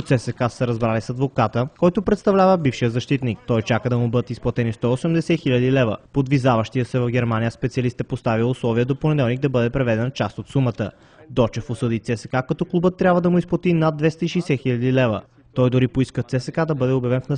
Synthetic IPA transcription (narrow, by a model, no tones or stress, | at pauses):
t̪sɛsɛkasəɾɐzbɾalisɐd̪vokat̪əkɔjt̪ʊpɾɛt̪st̪ɐvlʲavəbifʃijəzɐʃt̪it̪nik̚t̪ɔjt͡ʃakəd̪ɐmʊbɤd̪ət̪isplˠɐt̪ɛnist̪ɔosɛmd̪ɛsɛxilʲɐd̪ilɛvə̰pod̪vizavəʃt̪ijəsɛvɐvɡʲɛɾmanijəspɛt̪iɐlist̪ɛpost̪aviʊslˠɔviəd̪oponɛd̪ɛlˠniɡ̚d̪ɐbɤd̪ɛpɾɛvɛd̪ɛnət͡ʃast̪ot̪sumət̪ə | d̪ɔt͡ʃɛfʊsɤd̪it̪sɛsɛ̥kakɐt̪ɔklˠubət̪ːɾʲabvəd̪ɐmʊisplˠɐt̪inad̪̚d̪vɛst̪əiʃɛjsɛxiʎʲɐd̪ilɛvə̰ | t̪ɔjd̪ʊɾipoiskət̪sɛsɛkad̪ɐbɤd̪ɛoʊbjɐvɛnfnɐ